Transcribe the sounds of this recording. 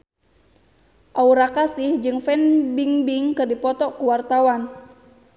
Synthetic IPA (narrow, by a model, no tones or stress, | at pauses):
ʔauɾakasɪhd͡ʒɨŋfɛnbiŋbiŋkɨrdipɔt̪ɔkuwart̪awan